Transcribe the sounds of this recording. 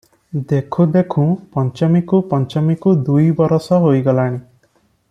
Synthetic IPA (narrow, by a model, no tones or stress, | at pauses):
d̪ekʰud̪ekʰũpɔnt͡ʃɔmikupɔnt͡ʃɔmikud̪ujbɔɾɔsɔɦojɡɔlaɽ̃i